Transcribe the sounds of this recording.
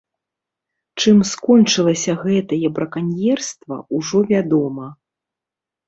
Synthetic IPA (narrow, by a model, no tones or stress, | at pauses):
t͡ʂɨmskɔnt͡ʂɨlˠɐsʲɐɣɛt̪ɐjɛbɾɐkanʲjɛrst̪vɐ̰uʐɔvʲad̪ɔmɐ